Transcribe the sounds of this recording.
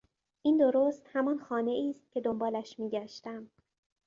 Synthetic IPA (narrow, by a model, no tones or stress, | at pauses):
ʔiːnd̪o̞ɾoːst̪hæmɒnxɒːne̞ʔiːst̪̚cʰe̞d̪o̞mbɒːlæʃmiːɟæʃt̪æm